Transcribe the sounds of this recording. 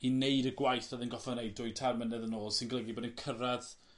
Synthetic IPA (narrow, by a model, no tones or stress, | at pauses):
inejdəɡwajθəðənɡɔfɔnejdʊɨtʰarmənɛðənoːlˠsɪnɡəlˠɛɡiboːdənkʰəɾað